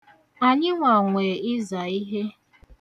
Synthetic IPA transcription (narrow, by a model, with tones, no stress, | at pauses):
a˨ɲɪ˦ŋʷa˨ŋʷeː˨ɪ˦za˨i˦ɦe˦